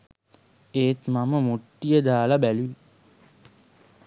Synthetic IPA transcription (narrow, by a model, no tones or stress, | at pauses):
eːt̪maməmuʈːijəd̪aːlabæluʋi